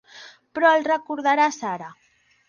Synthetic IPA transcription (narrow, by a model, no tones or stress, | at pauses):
pɾɔelrəkuɾðaɾasaɾa